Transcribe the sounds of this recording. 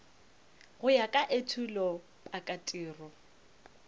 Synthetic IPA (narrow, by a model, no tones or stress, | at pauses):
ɣʊjakʼaʔetʰulɔ | pʼakʼatʼiːrɔ